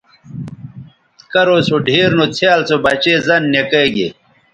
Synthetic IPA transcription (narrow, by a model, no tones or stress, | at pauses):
kɐɾosoɖʱeːɾnut͡sʰjaːlt͡sobɐt͡ɕeːzɐnːekeːɡḛ